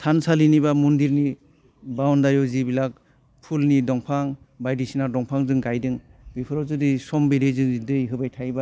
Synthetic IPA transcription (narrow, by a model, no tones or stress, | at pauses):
tʰansalinibamundiɾni | bawndaɾjɔwzibilak̚ | pʰulnidɔŋpʰaŋ | bajdisinadɔŋpʰaŋzɯŋɡajdɯŋbipʰɯɾɔzɯdisɔmbedezɯŋdɯjɦɯbajtʰajba